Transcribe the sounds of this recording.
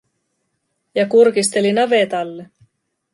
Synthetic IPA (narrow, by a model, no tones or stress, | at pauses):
jɑkurkist̪elinɑʋet̪ɑlːe